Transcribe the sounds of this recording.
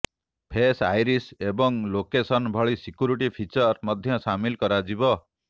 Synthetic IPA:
pʰesajɾisebɔŋlokesɔnbʱɔɭisikjuɾiʈipʰit͡ʃɔɾmɔd̪ʱjɔsamilkɔɾad͡ʒibɔ

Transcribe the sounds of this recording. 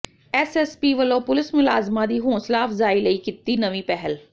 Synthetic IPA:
ɛːsɛːspiːʋəlõːpʊlɪsmʊlaːzmãːd̪iːɦõːslaːfzaːiːləiːkɪt̪ːiːnəʋĩːpɛɦəl

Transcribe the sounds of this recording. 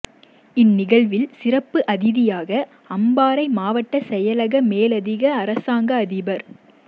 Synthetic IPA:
ɪnːɪɣɐɭʋɪlsɪrɐpːɯʔɐðɪðɪjaːɣɐ | ɐmbaːɾɐɪmaːʋɐʈːɐsɛjɐlɐɣɐmeːlɐðɪɣɐːɾɐsaːŋɡɐːðɪbɐɾ

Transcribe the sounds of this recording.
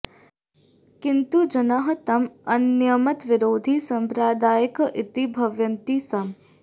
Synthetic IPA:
kɪnt̪ud͡ʒɐnaɦɐt̪ɐmɐnjɐmɐt̪ʋɪɾoːd̪ʱisɐmpɾaːd̪aːjɐkʔɪt̪ibʱɐʋjɐnt̪isɐm

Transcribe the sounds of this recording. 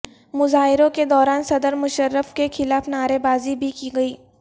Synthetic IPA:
mʊzaːɦɪɾõked̪ɔːɾaːnsɐd̪əɾmʊʃəɾːəfkexʰɪlaːfnaːɾebaːzibʱikiɡɐiː

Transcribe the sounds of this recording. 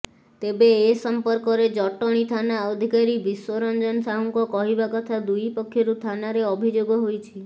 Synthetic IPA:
t̪ebeːsɔmpɔɾkɔɾed͡ʒɔʈɔɽ̃it̪ʰanaɔd̪ʱikaɾibiswɔɾɔnd͡ʒɔnsaɦuŋkɔkɔɦibakɔt̪ʰad̪ujpɔkʰːjɔɾut̪ʰanaɾeɔbʱid͡ʒoɡɔɦojt͡ʃʰi

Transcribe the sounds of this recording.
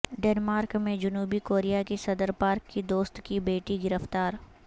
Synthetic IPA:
ɖeːnmaːɾkmẽd͡ʒʊnuːbikoːɾijakesɐd̪əɾpaːɾkːid̪oːst̪kibeːʈiɡɪɾəft̪aːɾ

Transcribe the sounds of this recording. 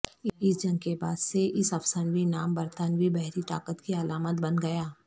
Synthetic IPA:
ɪsd͡ʒɐ̃ŋɡkebaːd̪seʔɪsɐfsənʋinaːmbɐɾt̪ənʋibɛɦɾit̪a̰ːkət̪kiɐlaːmət̪̚bɐnɡɐjaː

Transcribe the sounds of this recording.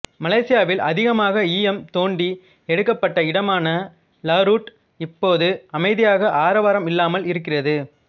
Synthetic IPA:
mɐlɐɪsɪjaːʋɪlɐðɪɣɐmaːɣɐiːjɛmt̪oːɳɖi | ɛɽɯkːɐpːɐʈːɐɪɽɐmaːnɐ | laːɾuːʈ | ɪpːoːðɯɐmɐɪðɪjaːɣɐʔaːɾɐʋaːɾɐmɪlːaːmɐlɪɾɯk̬ːɪrɐðɯ

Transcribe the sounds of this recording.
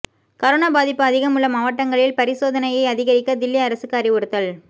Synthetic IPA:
kɐɾoːnaːbaːðɪpːɯɐðɪɣɐmuːlɐmɐʋɐʈːɐŋɡɐɭɪlpɐɾɪsoːðɐnɐjɐɪɐðɪɣɐɾɪkːɐd̪ɪlːiɐɾɐsɯkːaːɾiʋɔɽɯt̪ːɐl

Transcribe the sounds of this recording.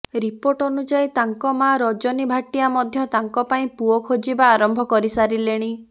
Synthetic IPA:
ɾipoɾʈɔnud͡ʒait̪aŋkɔmaɾɔd͡ʒɔnibʱaʈijamɔd̪ʱjɔt̪aŋkɔpaĩpuɔkʰod͡ʒibaːɾɔmbʱɔkɔɾisaɾileɽ̃i

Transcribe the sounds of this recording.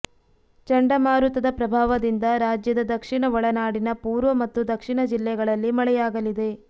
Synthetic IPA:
t͡ʃɐɳɖɐmaːɾut̪ɐd̪ɐpɾɐbʱaːʋɐd̪ind̪ɐɾaːd͡ʒjɐd̪ɐd̪ɐkʂiɳɐʋɐɭɐnaːɽinɐpuːɾʋɐmɐt̪ːud̪ɐkʂiɳɐd͡ʒilːɛɡɐɭɐlːimɐɭɛjaːɡɐlid̪e̞

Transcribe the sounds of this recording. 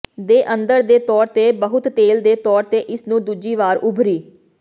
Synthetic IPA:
d̪eːʔə̃nd̪əɾd̪eːt̪ɔːɾt̪eːbəɦʊt̪ːeːld̪eːt̪ɔːɾt̪eːʔɪsnũːd̪ud͡ʒiːʋaːɾʔʊbʱɾiː

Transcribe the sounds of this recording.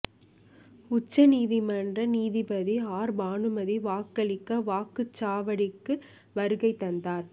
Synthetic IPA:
ʊt͡ʃːɐniːðimɐnrɐniːðipɐðiaːɾbaːɳɯmɐðiʋaːkːɐɭɪkːɐʋaːkɯt͡ʃːaːʋɐɽɪkːɯ | ʋɐɾɯɣɐɪt̪ːɐnd̪aːɾ

